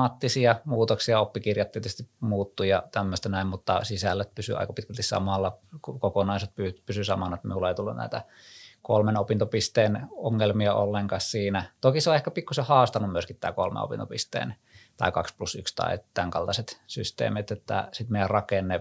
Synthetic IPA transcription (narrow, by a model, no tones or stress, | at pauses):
ɑt̪ːisiɑmuːt̪oksiɑopːikirjɑt̪t̪ːiet̪yst̪imuːt̪ːujɑt̪æmːøst̪ænæimmut̪ːɑsisælːæt̪̚pysy̰ɑ̰ikɑpit̪kælt̪issɑ̰mɑlːɑkkokonɑˑiset̪̚pypysysɑmɑnet̪mḭulːeˑit̪ulːunnæ̰it̪æ | kolmenopint̪opist̪eːnoŋːelmiɑo̰lːeŋkɑssiːnæt̪okiseoehkæpikːusehɑːst̪ɑnːummyøskit̪t̪æ̰ːkolmḛo̰pḭnt̪opist̪ḛːn | t̪ɑ̰ikɑksplusykst̪ɑ̰ḭt̪æŋkɑlt̪ɑset̪sy̰st̪ḛːmet̪et̪ːæ̰sit̪meˑijærrɑkenːe